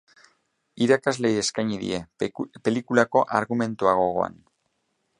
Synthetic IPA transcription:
iɾakazle̞jeskajɲiðḭe̞pe̞likulako̞ʔaɾɣume̞nt̪uaɣ̞o̞ɣ̞o̞̰a̰n

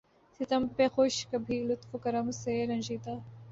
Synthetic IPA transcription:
sit̪ɐmpexoːʃkɐbʱiːlʊt̪fukɐɾɐmseɾɐ̃nʲʒiːt̪a

